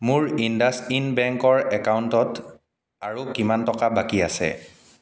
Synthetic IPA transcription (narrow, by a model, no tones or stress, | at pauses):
mʊɹindastinbɛŋkɔɹɛkawntɔt | aɹukimantɔkabakiasɛ̰